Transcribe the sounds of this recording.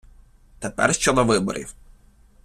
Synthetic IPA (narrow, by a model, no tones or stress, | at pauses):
t̪epɛ̰rʃt͡ʃɔd̪ɔʋɪbɔ̰ɾʲḭw